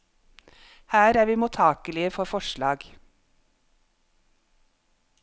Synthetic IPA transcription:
hæːɾæːɾʋiːmʊt̪ʰɑːkəlɪəfɔfɔʃlɑːɡ

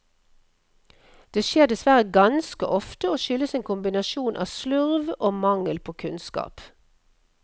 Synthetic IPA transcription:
d̪̥eːʃeːʁd̪ɛsʋæʁəɡɑnskəʔɔft̪əoːʃʏləseːŋkʊmbɪnɑʃuːnʔɑ̰ːʋslʉʁʋoːmɑŋəlpʰoːkʰʉnskɑ̰ːp

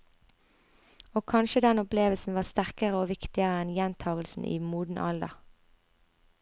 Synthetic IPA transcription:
oːkʰɑnʃəd̪ɛnʊpleːʋəlsn̩ʋɑːst̪æʁkəʁəoːʋɪkt̪ɪəʁəɛnjɛnt̪ʰɑːɡəlsn̩ʔḭːmuːd̪n̩ʔɑ̰ld̪ə̰

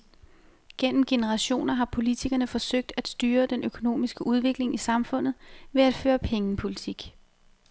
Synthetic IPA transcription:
ɡ̥en̰m̩ɡ̥e̝nəʁɑ̈ɕo̝̰ːnɐɦɑ̈pʰo̝lit͡sʰiɡ̥ɐnəfɒ̽søɡ̥̚d̥æd̥sd̥yːɐd̥enʔøkʰo̝no̝̰ːmisɡ̥əʔuð̞ˠʋe̝ɡ̥le̝ŋisɑ̈mfɔ̽n̰ð̩ˠʋe̝æd̥føːɐpʰeŋəpʰo̝lit͡sʰiɡ̥

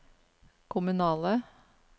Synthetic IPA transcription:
kʰʊmʉnɑːlə

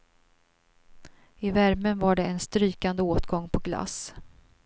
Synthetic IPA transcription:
ɪvæɾmənvaɖɛɛnst̪ɾyːkand̪əoːt̪ɡɔŋːpʰɔɡla̰s

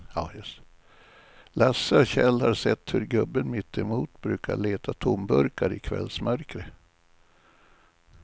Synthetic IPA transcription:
aːjst̪ | lasːəɔɕɛlːhaɾsɛt̪ːhɵɾɡɵbːənmɪt̪ʰːɛmuːt̪bɾʉ̟ːkaɭeːt̪ʰat̪ʰʊmbɵɾkaɾɪkʰvɛ̰lsmœɾkɾə

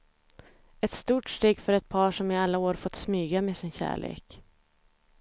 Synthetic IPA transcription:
ɛt̪st̪uːʈʂʈ̪eːɡfœɾɛt̪̚pʰɑːʂɔmɪalːaoːɾfɔt̪ːsmyːɡameːsɪnɕæ̰ːɭḛːk

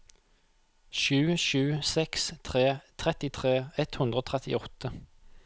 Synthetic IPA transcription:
ʃʉːʃʉːsɛkst̪ʰʁeːt̪ʰʁɛt̪ɪt̪ʰʁeːɛt̪hʉnd̪ʁəoːt̪ʰʁɛt̪ɪ̰ɔt̪ə

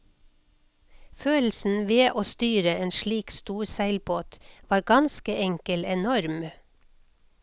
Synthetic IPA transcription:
føːl̩sn̩ʋeːʔoːst̪yːɾəeːnʃliːkst̪uːɾsæɪlboːt̪ʋɑːɾɡɑnskəʔɛŋkəlɛnɔɾm

